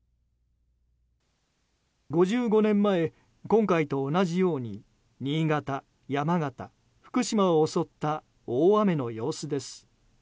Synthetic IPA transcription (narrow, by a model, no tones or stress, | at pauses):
ɡo̞ʑɨːɡo̞nẽ̞mːae̞ | kõ̞ŋkait̪o̞ːnaʑijo̞ːɲ̟i | ɲ̟iːɡat̪a | jamaɡat̪a̰ | ɸɯ̟̥kɯ̟ɕimaoːso̞t̪ːa | oːame̞no̞jo̞ːsɨd̪e̞sɨ̥